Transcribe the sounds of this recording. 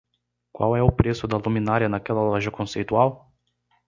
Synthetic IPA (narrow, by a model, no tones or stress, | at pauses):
kwa̰wɛʊpɾesʊd̪ɐlumĩnaɾɐnakɛlɐlɔʒɐkõsejt̪uaw